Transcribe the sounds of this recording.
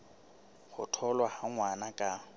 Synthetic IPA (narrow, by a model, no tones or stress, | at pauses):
χʊ̰tʰɔlwahaŋwanakʼa